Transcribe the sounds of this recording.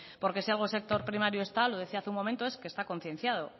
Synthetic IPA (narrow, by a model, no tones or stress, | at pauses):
po̞ɾke̞sialɣ̞ose̞k̚t̪o̞ɾpɾimaɾjoe̞st̪alo̞ðe̞θiaθumo̞ment̪o̞e̞skest̪ako̞n̟θje̞n̟θjað̞o